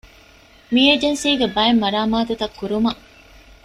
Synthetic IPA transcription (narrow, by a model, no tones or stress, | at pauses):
mieːd͡ʒensiːɡebɐemːɐɾaːmaːt̪ut̪ɐkːuɾumɐ